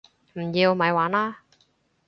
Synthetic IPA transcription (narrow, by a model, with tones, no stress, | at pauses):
m̩˨˩jiː˧wmɐ˨˧jwaː˨˥naː˦˥